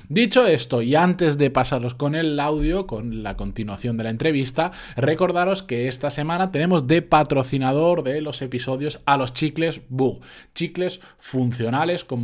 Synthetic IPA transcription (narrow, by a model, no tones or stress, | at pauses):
d̪it͡ʃoe̞st̪oiant̪e̞zðe̞pasaɾo̞sko̞ne̞lawðjo̞ko̞nlako̞nt̪inuaθjo̞nd̪e̞lae̞nt̪ɾe̞β̞ist̪a | re̞ko̞ɾð̞aɾo̞ske̞est̪ase̞mãnat̪e̞ne̞mo̞zd̪e̞pat̪ɾo̞θinað̞o̞ɾðe̞lo̞se̞piso̞ðjo̞salo̞st͡ʃikle̞zbuɣt͡ʃikle̞s | fun̟θjo̞nale̞sko̞m